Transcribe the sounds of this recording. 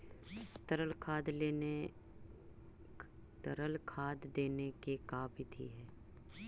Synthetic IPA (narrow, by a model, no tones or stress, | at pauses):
t̪əɾəlkʰaːd̪leːn | t̪ə̰ɾəlkʰaːd̪ːeːnekekaːbɪt̪ʰḭɦɛː